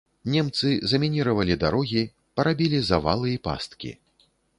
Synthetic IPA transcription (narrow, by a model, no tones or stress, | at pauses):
nʲɛmt̪sɨzɐmʲinʲiɾɐvɐlʲid̪aɾɔɣʲi | pɐɾabʲilʲizava̰lˠɨipa̰st̪kʲḭ